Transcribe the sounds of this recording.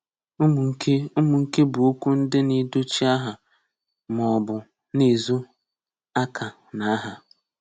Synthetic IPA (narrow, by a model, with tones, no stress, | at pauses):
m̩˨˦ke˦u˦mʊ˨ŋ̩˦ke˦bʊ˨u˦kʷu˦n̩˦dɪ˦ni˦do˦t͡ʃi˦a˦ɦa˨ | mɔ˨bʊ˨ | ni˨zu˦ | a˦kʰa˨ | na˨a˦ɦa˨